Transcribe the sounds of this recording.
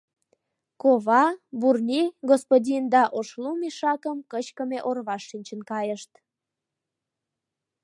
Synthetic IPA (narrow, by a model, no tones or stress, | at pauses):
koβɑburnʲiɣospodʲind̪ɑʔoʃlumiʃɑkəmkət͡ɕkəmeʔorβɑʃːinʲt͡ɕənkɑjəʃt̪